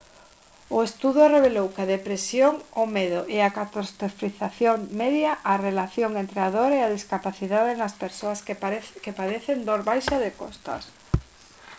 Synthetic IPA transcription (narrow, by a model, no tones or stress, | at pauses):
ʊest̪uðʊreβelowkaðepɾesjoŋomeðʊʔeakat̪ost̪ɾofiθaθjoŋmeðjaʔarelaθjoŋent̪ɾeaðoɾeað̞iskapaθiðaðenaspeɾsoaskepaðeθend̪oɾβajʃaðekost̪ɐ̰s